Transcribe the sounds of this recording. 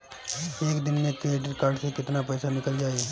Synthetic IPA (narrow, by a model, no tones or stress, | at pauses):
eːkd̪ɪnmẽkɾeːʈəɾkaːɾɖsekɪt̪napɛːsanɪkəld͡ʒaːie